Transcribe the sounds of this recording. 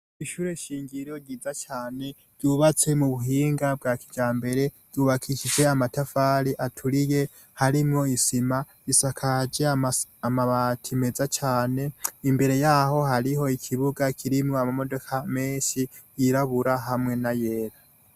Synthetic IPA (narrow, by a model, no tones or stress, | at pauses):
iʃuːɾe̞ʃiːŋɡiɾoɟiːzat͡ʃaːne̞ɾɟuβat͡se̞muβuɦiːŋɡab̚ɡakid͡ʒaːmbe̞ɾe̞ɾɟuβakʰiʃid͡ʒe̞amatafaɾiʔatʰuɾije̞ | haɾimŋo̞isima | isakʰad͡ʒe̞aamaβatʰime̞zat͡ʃaːne̞imbe̞ɾe̞jaho̞ɦaɾiɦo̞ikʰiβuɡakʰiɾimŋo̞amamo̞do̞kʰameːʃi | iɾaβuɾaɦamŋe̞naje̞ːɾa